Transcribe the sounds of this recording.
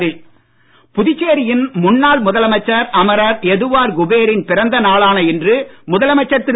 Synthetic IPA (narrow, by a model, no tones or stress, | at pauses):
ðɪ | pʊðɪt͡ʃːeːɾɪjɪnmʊnːaːɭmʊðɐlɐmɐt͡ʃːɐɾɐmɐɾɐɾɛðɯʋaːɾɡʊbeːɾɪnpɪɾɐnd̪ɐnaːɭaːnɐɪndrɯmʊðɐlɐmɐt͡ʃːɐt̪ːɪ